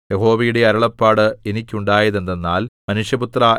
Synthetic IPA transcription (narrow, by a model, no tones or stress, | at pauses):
je̞ɦo̞ːʋɐjuɽe̞ɐɾɐɭɐpːaːɽɨe̞nikʲːuɳɖaːjɐðe̞nd̪enːaːlmɐnuʂjɐput̪ra